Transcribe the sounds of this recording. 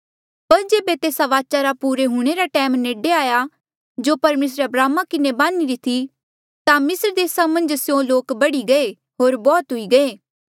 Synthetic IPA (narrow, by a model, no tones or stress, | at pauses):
pɐɾd͡ʒeːbet̪eːsaʋaːt͡ʃaɾapuːɾeɦʊɽ̃eɾaʈɛːmneːɖeaːja | d͡ʒoːpɐɾmeːs̬ɾeɐbɾaːmakɪnebãːniɾit̪ʰi | t̪ãmɪsɾd̪eːsamɐ̃nd͡ʒsjõloːkbɐɽiɡɐe | ɦoːɾbɔːt̪ɦʊiɡɐeː